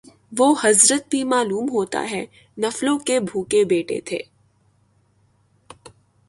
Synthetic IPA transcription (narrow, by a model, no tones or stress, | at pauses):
ʋoːhɐzɾət̪̚bʱimaːluːmɦoːt̪a̰ɦɛ | nɐflõkebʱuːkebeːʈḛt̪ʰḛː